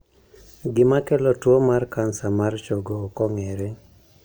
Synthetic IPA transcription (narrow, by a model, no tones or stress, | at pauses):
ɡɪmakɛlɔtwomarkansamart͡ʃoɡokɔŋɛɾɛ